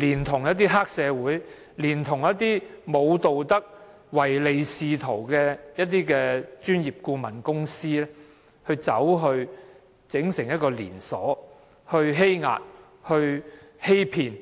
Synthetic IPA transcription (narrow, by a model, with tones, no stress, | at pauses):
liː˨˩nt̪ʰʊ˨˩ŋjɐ˥t̪̬̚iː˥ɦaː˥k̚sɛː˨˧wuː˨˥j | liː˨˩nt̪ʰʊ˨˩ŋjɐ˥t̪̚iː˥mo˨˧wt̪o˨wt̪ɐ˥k̚ | wɐ˨˩jle˨˧jsiː˨˧t̪ʰo˨˩wkɛː˧jɐ˥t̪̚iː˥kɛː˧t͡ʃyː˥njiː˨p̚kuː˧mɐ˨˩nkʊ˥ŋsiː˥lɛː˥ | hɵ˧ɥt͡sɐ̰˨˥wɦɵ˧ɥ | t͡sɪ˨˥ŋsɪ˨˩ŋjɐ˥t̚kɔː˧lḭː˨˩nsɔː˨˥ | hɵ˧ɥɦe˥jŋa̰ː˨t̚ | hɵ˧ɥhe˥jpʰiː˨˩n